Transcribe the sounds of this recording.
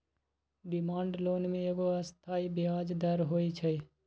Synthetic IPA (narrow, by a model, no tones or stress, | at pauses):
ɖɪmãːɳɖloːnmẽeːɡoəst̪ʰaːibɪaːd͡ʒd̪əɾɦoːit͡ʃʰəj